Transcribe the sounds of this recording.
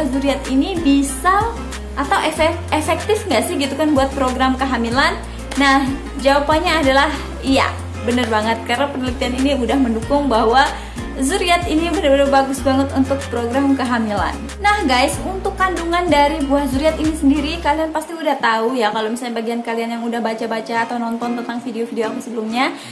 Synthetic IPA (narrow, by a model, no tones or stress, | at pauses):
ahzuɾiat̪inibisa | ʔat̪awʔefɛefɛk̚t̪ɪfŋɡaʔsɪhɡit̪ukanbuat̪̚pɾoɡɾamkəɦamilanː | ah | d͡ʒawapanɲaːdalah | ija̰ | bənərbaŋət̪̚karnapənlit̪ianiniudahməndukʊŋbaɦwa | zuɾiat̪inibənərbənərbaɡʊsbaŋət̪unt̪ʊk̚pɾoɡɾamkəɦamila̰nːahɡajsunt̪ʊkːanduŋandaɾibuahzuɾiat̪inisəndiɾikalianpast̪iudaht̪aujakalomisalɲabaɡiankalianjaŋudahbat͡ʃabat͡ʃaːt̪awnɔnt̪ɔnt̪ənt̪aŋfideofideoapusəbəlumɲa